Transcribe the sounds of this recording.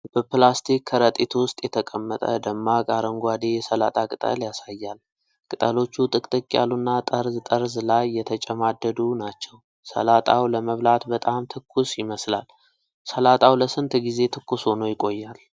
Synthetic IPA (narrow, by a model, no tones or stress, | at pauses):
b̥əplast̪ʰikʰːəɾət̪ʼit̪ʰwʊst̪ʼjɛt̪ʰəkʼəmːət̪ʼə̰d̪əmːakʼaɾəŋɡʷad̪ejɛsəla̰t̪ʼakʼɨt̪ʼə̰ljasajːal | kʼɨt̪ʼəlo̞t͡ʃːut̪ʼɨkʼt̪ʼɨkʼːja̰lunːat̪ʼəɾzt̪ʼəɾzlajːɛt̪ʰət͡ʃʼɛmad̪ːəd̪unat͡ʃːɛw | sə̰lat̪ʼawləməβlat̪bət̪ʼamt̪ʰɨkʰːusjɪməsla̰l | səlat̪ʼawləsɨnt̪ɡize̞t̪ʰɨkːusonojɪkʼo̞jːal